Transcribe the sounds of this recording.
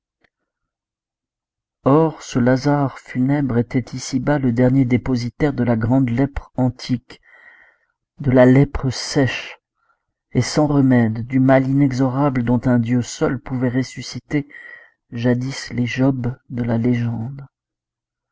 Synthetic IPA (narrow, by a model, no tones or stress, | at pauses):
ɔʁsəlazaʁfynɛbʁet̪ɛt̪isibaləd̪ɛʁnjed̪epozit̪ɛʁd̪əlaɡʁɑ̃d̪lɛpχɑ̃t̪ʰik | d̪əlalɛpχəsɛʃ | esɑ̃ʁəmɛd̪ːymalinɛɡzɔʁabləd̪ɔ̃t̪ɛ̃d̪jøsœlpuvɛʁesysit̪e | ʒad̪isleʒɔbd̪əlaleʒɑ̃d̪